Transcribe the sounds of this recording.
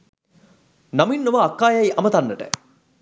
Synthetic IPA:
naminːoʋaːkːaːjɐjʔɐmət̪ɐnːəʈə̰

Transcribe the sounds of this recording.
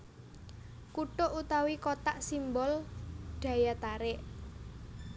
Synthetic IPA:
kuʈoʔut̪awikot̪aʔsimbɔlɖ̥ä̤jat̪aɾɪʔ

